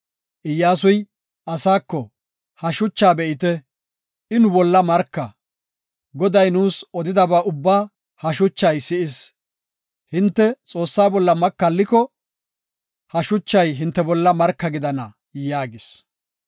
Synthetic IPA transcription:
ʔɪjːaːs̬ʊj | ɐsaːkːɔ | hɐʃʊt͡ʃːaːbɛʔɪt̪ɛ | ʔɪnʊbɔlːɐmɐɾkːɐ | ɡɔd̪ɐjnuːsɔd̪ɪd̪ɐbaːʔʊbːaː | hɐʃʊt͡ʃːɐjsɪʔɪs | hɪnt̪ːɛt͡sʼo̞ːsːaːbɔlːɐmɐkːɐlːɪkɔ | hɐʃʊt͡ʃːɐjɦɪnt̪ːɛbɔlːɐmɐɾkːɐɡɪd̪ɐnɐ | jaːɡɪs

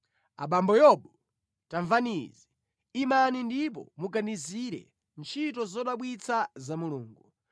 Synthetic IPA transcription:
a̰ɓambɔjɔɓɔ | taɱvanizi | imanindip̬ɔ̰muɡaniziɾɛ̰ | nt͡ʃʰitɔzɔɗaɓwit͡sʰazamuluːŋɡu

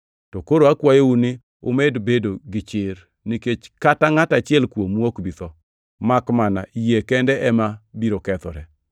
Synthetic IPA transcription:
tɔkoɾoakwajeunɪ | o̰medbedoɡɪt͡ʃɪɾ | niket͡ʃkataŋatat͡ʃɪɛlkwomwokbit̪ɔ | makmana̰ʔijekɛndɛʔɛmabiɾokɛt̪ɔ̰ɾɛ

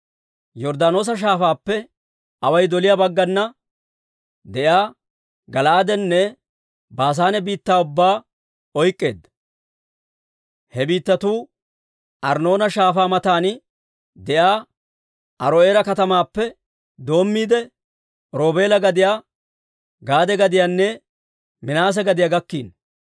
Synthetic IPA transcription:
jɔɾd̪aːno̞ːs̬ɐʃ̬aːfaːpːɛ | ɐwɐjd̪ɔlɪjaːbɐɡːɐnːɐ | d̪ɛjaː | ɡɐlaːd̪ɛnːɛ | baːs̬aːnɛbiːt̪ːaːʊbːaː | ɔjkʼːe̞ːd̪ɐ | hɛbiːt̪ːɐt̪uː | ʔɐɾno̞ːnɐʃaːfaːmɐt̪aːn | d̪ɛjaː | ʔɐɾoeːɾɐkɐt̪ɐmaːpːɛ | d̪o̞ːmːiːd̪ɛ | ɾo̞ːbe̞ːlɐɡɐd̪ɪjaː | ɡaːd̪ɛɡɐd̪ɪjaːnːɛ | mɪnaːs̬ɛɡɐd̪ɪjaːɡɐkːiːn

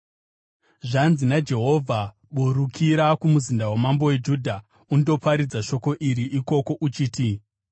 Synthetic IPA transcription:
ʐanzinad͡ʒe̞ɦo̞vʱa | ɓuɾukʰiɾakumuzindawemambo̞we̞d͡ʒuːdʱa | undo̞paɾid͡zaʃo̞ko̞ʔiɾiʔiko̞ko̞ʔut͡ʃiːti

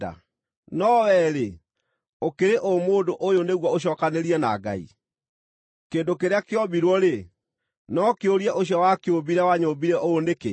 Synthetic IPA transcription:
a̰ | nɔwɛɾe | okeɾeʔomoːndoʔojoneɣwɔoɕ̬ɔːkaneɾiɛna̰ɡa̰ḭ | keːndokeɾeakeɔbiɾwɔɾe | nɔkeoɾiɛʔoɕjawakeobiɾɛwaɲobiɾɛʔoonekḛ

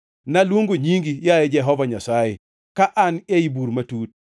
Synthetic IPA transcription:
naluŋɡoɲiŋɡijaɛd͡ʒɛɦɔvaɲasaɛ | kaʔaneibuɾmatuːt̚

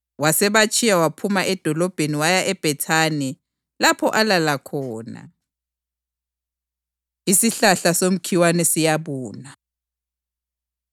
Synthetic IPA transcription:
wasɛβat͡ʃʰʼijawapʰumaʔɛd̥ʱɔlɔb̥ʱeniwajaʔɛb̥ʱɛtʰaːnɛ | lapʰɔʔalalakʰɔːna̰ | isiɬaɬasom̩kʰiwanɛsijaβuːna

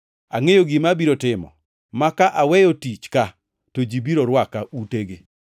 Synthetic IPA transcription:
aŋejoɡimabiɾotɪmɔ̰ | makaʔawɛjotit͡ʃka | tod͡ʒibiɾoɾwakaʔuteɡe

